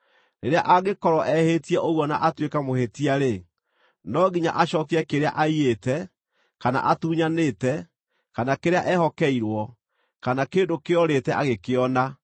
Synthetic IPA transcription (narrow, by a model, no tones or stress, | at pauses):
neɾeaʔaɣekɔɾɔʔɛhetiɛʔoɣwɔna̰ʔatwekamohetiaɾe | nɔɣiɲa̰ʔaɕɔkiɛkeɾea̰ʔaietɛ | kana̰ʔatuːɲaneːtɛ | kanakeɾeaʔɛhɔkɛiɾwɔ | kanakeːndokeɔɾetɛʔaɣekeɔna